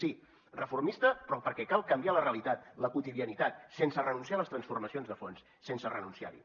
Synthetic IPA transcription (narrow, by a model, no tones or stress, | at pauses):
si | rəfurmist̪əpɾɔpəɾkɛkalˠkəmbialəreəlit̪at̪̚ləkut̪iðiənit̪at̪̚sensərənunsialəst̪ɾənsfurməsionzðəfonsːensərənunsia̰ɾḭ